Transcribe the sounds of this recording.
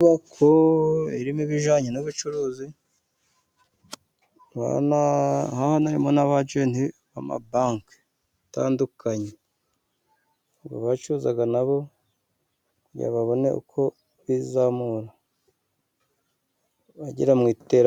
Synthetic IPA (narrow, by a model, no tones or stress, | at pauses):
βakʰoiɾimiβiʒaːɲenuβut͡ʃuɾuːzi | a̰nahahonaɾimonaβad͡ʒeniβama̰baːŋk | ataːndukaɲe | ɡo̰βat͡ʃuːzaɡanaβo̞ | kuɾɟḭaβaβo̞ne̞̰ʔṵkʰo̞ | βizamuɾa | βaɟḭɾamŋiːte̞ːɾa